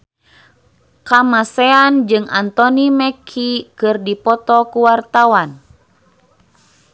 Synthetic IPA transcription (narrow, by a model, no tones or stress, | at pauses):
kamasɛand͡ʒɨŋant̪ɔnimɛkʰikɨrdipɔt̪ɔkuwart̪awan